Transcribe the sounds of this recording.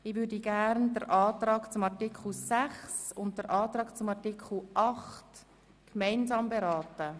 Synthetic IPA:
ɪʋʏːɾdiɡ̥æɾndəɾʔɑːtɾɑːɡ̥t͡sʊmɑɾtikʰl̩sæχsʊnt̚dəɾʔɑːt̪ɾɑːɡ̥t͡sʊmɑɾtikʰl̩ʔɑχt | kmæɪnsɑːmbeɾɑːtə

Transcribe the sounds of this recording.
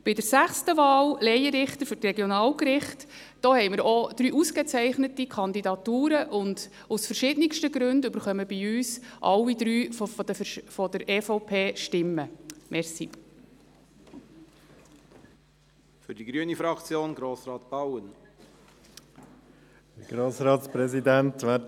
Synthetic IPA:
b̥ɪdəɾsæχstəvɑːllɛjəɾɪχtəɾfʏtrɛɡjonɑːlkɾɪχt | d̥ɔːhɛɪmɪɾɔd̥ɾyːʔuskət͡sɛɪχnətikʰɑnd̪idɑtuːɾəʔʊnd | usfəɾʃɪdnɪkʃtəɡɾʉndʏbəɾχœməbiyːsʔɑ̰lːid̪ɾyːffdəfɔdəɾeːfɔʊpʰeːʃtɪmːəmʔɛɾsḭ | fʏɾdiɡɾyənifɾɑkt͡sjoːnɡɾoːsɾɑːt̪b̥ɑwən | ɡ̥ɾoːsɾɑːt̪spɾɛzid̪æntʋæːt

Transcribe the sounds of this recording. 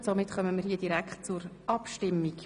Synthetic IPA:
somɪtχœməmiːɾɦiːəd̥iɾækχtt͡sʊɾʔɑpʃtɪmːik

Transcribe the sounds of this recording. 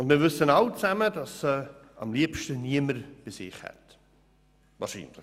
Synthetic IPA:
ʊndmɪːɾvʏsənaʊt͡sæmədɑsəɑ̰mliəpʃtəniəməɾb̥ɪsɪ̰χhɛ̰t | vɑ̰ːɾʃḭːnlɪ

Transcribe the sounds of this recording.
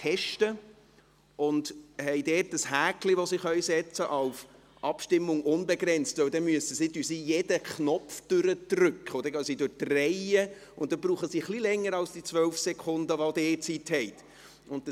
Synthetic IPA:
tʰɛʃtə | ʊndhɛɪdɛːt̚dəshæːkliʋosiχœjsɛt͡səʔɑʊf | ʔɑpʃtɪmːʊŋʊnbɛɡɾɛnt͡stvɛwdɛnmyəsəsidysiːjɛdəknɔpfd̥ʏɾət̪rʏkχəɔd̪əɡœsidʊɾtrɛjə | ʊnt̚d̥̪əbɾuːχəsiːχlilɛŋːəɾɑlsd̥it͡sʋœlfsɛkʰʊndəʋodɛːt͡sithɛɪt̪ | ʊnt̚d̥ə

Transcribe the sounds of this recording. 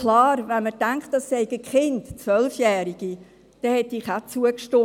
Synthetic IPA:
klɑːɾvɛnmətæŋkχt̚d̥ɑsːɛɪɡəkχɪntt͡sʋœlfjæːɾiɡ̥i | d̥ɛhɛtiχat͡suəkʃtʊ

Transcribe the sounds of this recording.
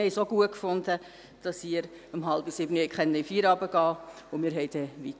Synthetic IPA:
hɛɪsoɡuəkfʊnd̥ə | d̥ɑsiːɾ | əmɦɑlbisɪbnihɛɪkχɛnːəifiːɾɑbəɡ̥ɑːʊmɪːɾɦɛɪd̥ɛʋit̪

